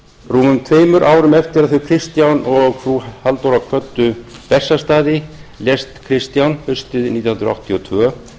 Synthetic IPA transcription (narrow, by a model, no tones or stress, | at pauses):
ruːmʏmt̪ʰveːjmʏɾʔaːwɾʏmɛft̪ɪɾaðθœɥkʰɾɪst̪jawnɔɣfɾuːhalt̪owɾakʰvœt̪ːʏpɛsːast̪aːðɪljɛst̪kʰɾɪst̪jawnhʏst̪ɪðnit̪jɔnnɾa̰ht̪ʰiɔt̪ʰvœː